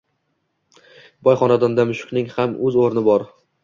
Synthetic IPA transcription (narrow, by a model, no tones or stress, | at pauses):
bɒjχɒnad̪and̪amʊʃʊ̥qnɪŋhamɵzoɾnɪbɒɾ